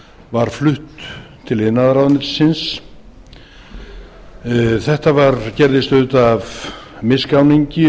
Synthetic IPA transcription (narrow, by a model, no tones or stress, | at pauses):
vaɾ̥flʏht̪t̪ʰːɪlɪðnːaðɾawðnɪɾ̥sɪns | θɛht̪avaɾcɛɾðɪst̪œɥt̪avmɪskawniɲcɪ